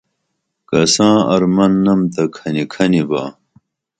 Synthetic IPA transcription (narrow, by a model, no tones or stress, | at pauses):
kɐsãːɐɾmɐnːɐmt̪ɐkʰɐnikʰɐniba̰ː